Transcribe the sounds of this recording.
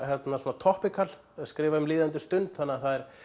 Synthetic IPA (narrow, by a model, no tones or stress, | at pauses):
hɛt̪nasɔnat̪ʰɔhpɪkʰal | skɾɪːvaʏmliːðant̪̬ʏst̪ʏnt̪θanːaθaðɛɾ̥